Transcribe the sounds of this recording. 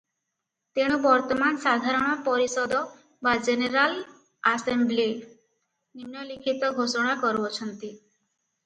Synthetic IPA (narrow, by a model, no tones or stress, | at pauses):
t̪eɽ̃ubɔɾt̪ɔmansad̪ʱaɾɔɽ̃ɔpɔɾisɔd̪ɔ | bad͡ʒeneɾal | asembli | nimnɔlikʰit̪ɔɡʱosɔɽ̃akɔɾbɔt͡ʃʰɔnt̪i